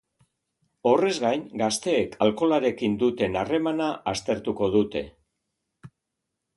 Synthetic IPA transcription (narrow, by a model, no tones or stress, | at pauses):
o̞re̞zɣajnɡast̪e̞ːkʰalko̞laɾe̞kind̪ut̪e̞nare̞manaʔast̪e̞ɾt̪uko̞ðut̪e̞